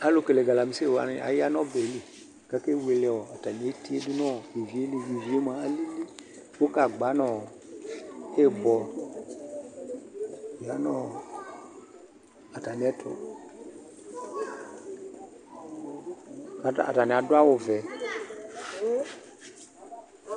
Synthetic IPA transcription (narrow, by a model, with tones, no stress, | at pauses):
a˨lo˨ke˨le˨ɡa˨la˨mi˨se˦˨wa̰˨n˨a̰˨ja˦nɔ˦bɛ˨˦li˨ | ka˨˦ke˦˨we˨lɛ˦ɔ˨a˨ta˨n˨e˨˦ti˦e˦du˦nɔ˦˨je˨vi˨e˦le˦˨ji˨vi˨e˦m˨a˨a˦li˦le˦ | wo˦ka˨ɡ͡ba˨˦nɔ˦˨ | e˦bɔ˨ | a˨˦nɔ˦ | a˨ta˨ni˨˦ɛ˦tʰɔ̰˨ | a˨a̰˨ta˨nɪ˨a˨dʊ˦a˦wo˨vɛ˨